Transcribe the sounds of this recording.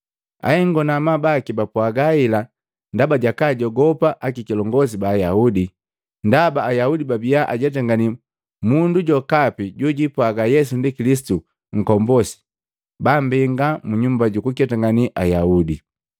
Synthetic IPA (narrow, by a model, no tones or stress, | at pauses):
a̰hɛŋɡɔnamabakibapwaɡaila | ndabaɟakaɟɔɡɔpaʔakikilɔŋɡɔs̬ibaːjaudi | ndabaːjaudibabiaʔa̰ɟɛt̬aŋɡani | munduɟɔkapiɟuɟipwaɡajɛsundikilisi̥tu | ŋ̩kɔmbɔsi̥ | bambiŋɡamuɲumbaɟukukɛtaŋɡaniʔajaudi